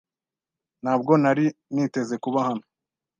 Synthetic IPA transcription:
n̥aːb̚ɡo̞naɾiniːte̞ze̞kuβahano̥

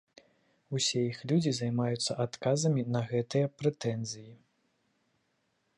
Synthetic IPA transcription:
usʲɛjixlʲud͡zʲizajmajut̪sːɐʔat̪kazɐmʲinɐɣɛt̪ɨjɐpɾɛt̪ɛnzʲɨji

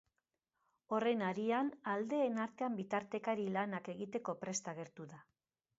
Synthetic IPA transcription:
o̞re̞naɾianald̪e̞ːnaɾt̪e̞ambit̪aɾt̪e̞kaɾilanake̞ɣit̪e̞ko̞pɾe̞st̪aɣ̞e̞ɾt̪uða

